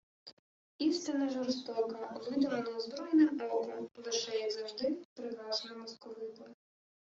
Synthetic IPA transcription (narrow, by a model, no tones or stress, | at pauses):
iwst̪ɪnɐʒɔrst̪ɔkɐʋɪd̪ɔʋɐnɔuzbɾɔjɛnɪmɔwɦɔmlˠɪʃɛjɛzɐwʒd̪ɪpɾɪɑznmɔskɔʋɪpɔɾ